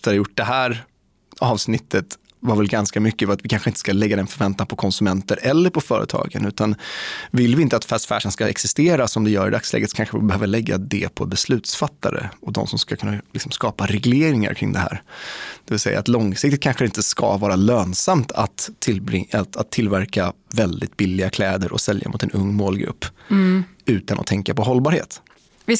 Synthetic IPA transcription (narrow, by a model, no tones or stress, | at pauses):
ft̪ʰəɾjʊʈ̚d̪ɛɦæːɾ | ɑːvsnɪt̪ːət̪ | vaɾvɛlɡanskamʏkːəfat̪vɪkʰanɧəɪnt̪ə̥skalɛɡːad̪ɛnfœɾvɛnt̪anpʰɔkʰɔnsɵmɛnt̪əɾʔɛlːəɾpʰɔfœːɾə̰t̪ʰɑ̰ːɡə̰nʉ̟ːt̪anvɪlːvɪɪnt̪əat̪fæːʂfæ̰ːʂənskaɛksɪst̪eːɾasɔmd̪ɛjœːɾɪd̪akslɛ̰ːɡət̪kʰanɧəvɪ̰lbɛhøːvəɭɛɡːa̰d̪ɛ̰pʰɔbɛslʉ̟ːt̪sfat̪ːa̰ɾə̰ɔd̪ɔ̰msɔmskakʰɵnːalɪksɔmskɑːpaɾɛɡleːɾɪŋa̰ɾkʰɾɪ̰ŋd̪ɛɦæ̰ːɾd̪̥ɛvɪlsɛja̰ːt̪lɔŋsɪk̚t̪ɪt̪̚kʰanɧəɪnt̪əska̰vɑːɾaløːnsamt̪ʰa̰t̪ɪatat̪ʰːɪlːvæɾkavɛld̪ɪt̪bɪlːɪɡakʰlɛːd̪əɾʔɔ̰sɛlja̰mʊt̪ɛnɵŋːmoːlɡɾɵ̰pː | ʉ̟ːt̪anʔɔ̰t̪ʰɛŋkapɔɦɔlːbɑːɾhḛːt̪